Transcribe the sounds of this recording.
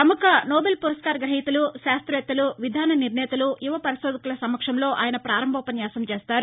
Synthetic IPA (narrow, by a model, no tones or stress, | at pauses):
t̪ɐmukɐnoːbelpuɾɐskaːɾɡɾɐɦit̪ɐluʃaːst̪ɾɐɛt̪ːɐluʋid̪ʱaːnɐniɾnɛːt̪ɐlujiʋɐpɐɾiʃoːd̪ɐkulɐsɐmːɐkʂɐmlo̞ːʔaːjɐnɐpɾaːɾɐmbʱɐːpɐnjaːsɐmt͡ʃeːst̪aːɾ